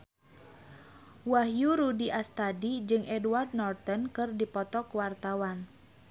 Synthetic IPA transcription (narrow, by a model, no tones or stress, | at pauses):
wahjuɾudiʔast̪adid͡ʒɨŋʔɛdward̪̚nɔrt̪ɔnkɨrdipɔt̪ɔkwart̪awan